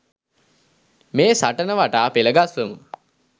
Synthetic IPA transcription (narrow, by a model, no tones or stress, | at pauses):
meːsaʈənəʋaʈaːpeləɡasʋəmu